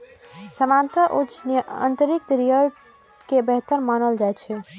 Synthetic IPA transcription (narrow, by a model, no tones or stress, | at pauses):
səmant̪ɾəʔot͡ʃnəə̰nt̪əɾik̚d̪ɾijə | kebɛɦt̪əɾmanəld͡ʒajt͡ʃʰɛ